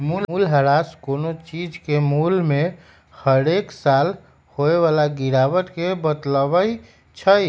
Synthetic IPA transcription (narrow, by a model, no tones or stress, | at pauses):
mululɦəɾaskonot͡ʃid͡ʒkemulme | həɾeksal | hoeʋalaɡiɾaʋəʈ̪kebət̪ləbəi | t͡ʃʰəj